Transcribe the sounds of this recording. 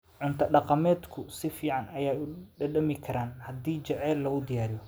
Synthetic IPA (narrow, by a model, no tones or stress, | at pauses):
ʕʊnt̪ʰɐɖɑqɑmɛːd̪kʰʊsɪfiːʕɑnɐjaːʊɖɐɖɐmɪkʰɐɾaːnhɐd̪iːt͡ʃɐʕɛːlːɐɣʊd̪ɪjaːɾɪjɔ